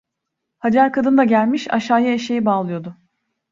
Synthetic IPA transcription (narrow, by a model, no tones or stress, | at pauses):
had͡ʒaɾkʰad̪ɯnd̪aɟælʲmiʃa̰ʃaːjaeʃejibaːlˠɯjo̞d̪ʊ